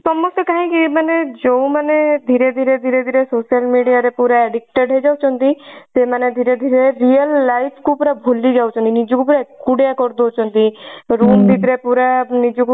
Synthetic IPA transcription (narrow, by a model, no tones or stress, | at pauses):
sɔmɔst̪ekaɦĩkimaned͡ʒoũmaned̪ʱiɾed̪ʱiɾed̪ʱiɾed̪ʱiɾesosiəlmiɽijaɾepuɾaɛɖik̚ʈeɖɦed͡ʒawt͡ʃʰɔnt̪isemaned̪ʱiɾed̪ʱiɾeɾiəlːajpʰkupuɾabʱolid͡ʒawt͡ʃʰɔ̃nt̪inid͡ʒɔkupuɾakuɽjakɔɾd̪ot͡ʃʰɔnt̪iɾumbʱit̪ɾepuɾanid͡ʒɔku